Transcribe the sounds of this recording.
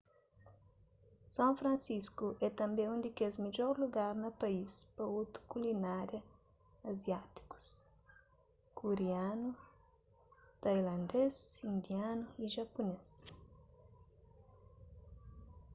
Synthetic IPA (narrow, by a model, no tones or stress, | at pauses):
sãwfɾɐ̃nsiskuʔɛt̪ɐ̃mbẽũnd̪ikezmed͡ʒɔɾluɡaɾnɐpɐispɐot̪ɾu̥kulinaɾjɐ | ɐzjat̪i̥ku̥s | kuɾeanu | t̪ajlɐ̃nd̪esĩnd̪ianuiʒɐpunes